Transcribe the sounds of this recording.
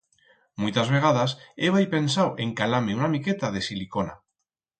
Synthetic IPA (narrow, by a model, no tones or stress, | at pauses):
mujt̪azβe̞ɣ̞aðaseβ̞ajpe̞nsawʔe̞ŋkalameunamiket̪aðe̞silikona̰